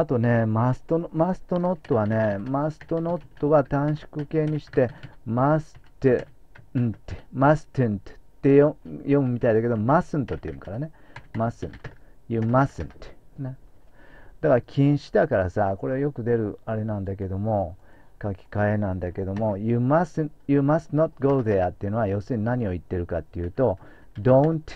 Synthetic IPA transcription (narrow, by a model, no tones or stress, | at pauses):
at̪o̞ne̞masɨ̥t̪onmasɨ̥t̪o̞no̞t̪ːo̞βane̞masɨ̥t̪o̞no̞t̪ːo̞βat̪ãɰ̃ɕi̥kɯ̟ke̞ːɲ̟iɕi̥t̪e̞masɨ̥t̪e | nt̪ːemasɨ̥t̪ent̪e̥t̪ːe̞ojõ̞mɯ̟mʲit̪aid̪ake̞d̪omasɨ̃nt̪ot̪ːejõ̰mɯ̟kaɾane̞masɨ̰̃nt̪o̥jɨmasɨ̃nt̪ne | d̪̥akaɾakʲʰĩɰ̃ɕi̥t̪akaɾasako̞ɾe̞ajo̞kɯ̟d̪e̞ɾɯ̟aɾe̞nãnd̪ake̞d̪o̞mo̞ | kakʲi̥kaenãnd̪ake̞d̪o̞mo̞jumasnjɨmasnot̪̚ɡoːðeat̪ːe̞jɯ̟no̞βajo̞ːsɨɲ̟inaɲ̟io̞it̪ːe̞ɾɯ̟kat̪ːe̞jɯ̟ːt̪o̞ | d̪õnt